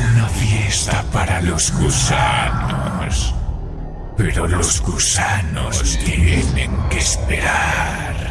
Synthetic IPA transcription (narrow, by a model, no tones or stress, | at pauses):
unafjest̪apaɾalozɣusanos | peɾolozɣusano̰ssst̪jenḛ̃ŋkespeɾa | ɾ